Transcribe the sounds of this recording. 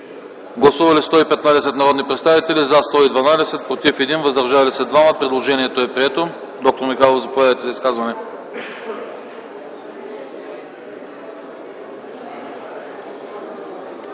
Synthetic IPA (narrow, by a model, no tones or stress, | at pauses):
ɡlˠɐsuvɐlist̪ɔipɛt̪nad̪ɛsɛt̪nɐɾɔd̪nipɾɛt̪st̪avit̪ɛlizast̪ɔid̪vɐnad̪ɛsɛt̪̚pɾot̪ifɛd̪invɐzd̪ɐɾʒavɐlisɛd̪vaməpɾɛd̪lˠoʒɛniɛt̪oɛpɾiɛt̪o | d̪ɔk̚t̪oɾmixalˠozɐpovjavɛt̪ɛzɐiskazvɐnɛ